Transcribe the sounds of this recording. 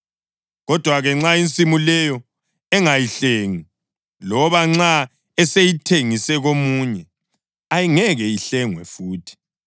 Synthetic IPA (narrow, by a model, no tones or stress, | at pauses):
ɣɔd̥ʱwaɣɛŋ͡ǁaint͡sʼimulɛjɔ | ɛŋajiɬeŋi | lɔβaŋ͡ǁa | ɛsejitʰeŋisɛɣomuɲɛ | ajiŋɛɣɛjiɬɛŋwɛ̰fuːtʰi̥